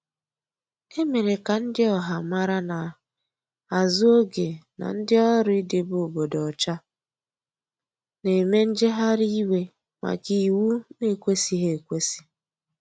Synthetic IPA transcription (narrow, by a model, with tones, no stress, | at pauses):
e˦me˨ɾe˨ka˨n̩˦dɪ˦ɔ˨ɦa˨ma˦ɾa˦na˨ | a˨zʊ˦o˦ɡe˨na̰˨n̩˦dɪ˦ɔ˦ɾʊ˦i˦de˨bo˨bo˨dɔ˨ɔ˨t͡ʃa˦ | ne˨me˦n̩˦d͡ʒe˦ɦa˦ɾi˦we˦ | ma̰˨ki˨wu˦ne˦˨kʷe˦si˨ɦe˦˨kʷe˦si̥˦